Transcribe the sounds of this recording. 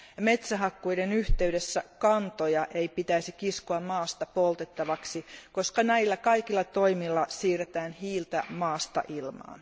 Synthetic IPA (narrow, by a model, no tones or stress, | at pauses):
me̞t̪sæɦɑkːujdenyht̪eydesːækɑnt̪ojɑʔe̞ipit̪æisikiskuɑmmɑːst̪ɑpolt̪et̪ːɑʋɑksiko̞skɑnæilːækɑikilːɑt̪oimilːɑsiːret̪æːnhiːlt̪æmɑːst̪ɑ̰ʔilmɑ̰ːn